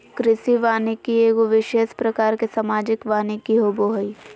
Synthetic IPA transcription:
kɾɪsiʋaːnikieːɡoʋɪʃeːʃpɾɐkaːɾkesamaːd͡ʒɪkʋaːnikiɦoboɦəi

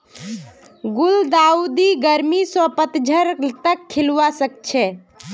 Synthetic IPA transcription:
ɡuld̪aud̪iɡəɾmisəpət̪d͡ʒʱəɾt̪əkʰːilʋasək̚t͡ʃʰɛ

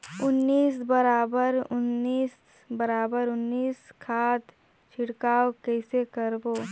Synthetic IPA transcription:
ʊnːiːsbəɾaːbəɾʊnːiːs | bəɾaːbəɾʊnːiːskʰaːt̪ | t͡ʃʰɪɽkaːwkɛːsekəɾboː

